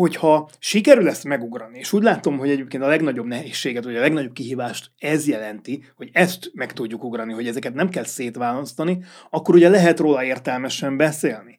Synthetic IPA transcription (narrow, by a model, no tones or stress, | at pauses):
ho̞chɒʃikɛɾylɛsmɛɡuɡrɒnieːʃuːɟlaːt̪o̞mɦo̞ɟɛɟeːp̚keːnt̪ɒlɛɡnɒɟo̞bnɛɦeːʃːeːɡɛt̪ʋɒɟɒlɛɡnɒɟo̞b̚kiɦiːvaːʃt̪ɛzjɛlɛnt̪ihoɟɛst̪mɛkt̪uɟːukuɡrɒniɦo̞ɟɛzɛkɛt̪nɛmkɛlseːt̪ʋaːlɒst̪ɒniɒkːo̞ɾuɟɛlɛɦɛt̪roːlɒeːrt̪ɛlmɛʃɛmbɛseːlni